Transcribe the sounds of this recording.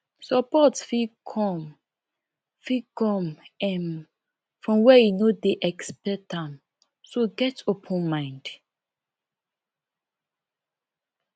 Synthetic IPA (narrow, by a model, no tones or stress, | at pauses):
sɔpɔtfikʰɔm | fikɔ̃mɛ̃n | fɹɔ̃mwɛjinodeʔɛkspɛtãm | soɡɛtʰopʰɔ̃nmãɪ̃nd